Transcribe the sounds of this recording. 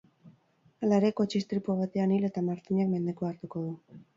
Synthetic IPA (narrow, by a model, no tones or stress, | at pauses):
alaeɾe̞ko̞t͡ʃist̪ɾipuaβat̪e̞anile̞t̪amaɾt̪iɲakme̞nd̪e̞ko̞aɾt̪uko̞ðu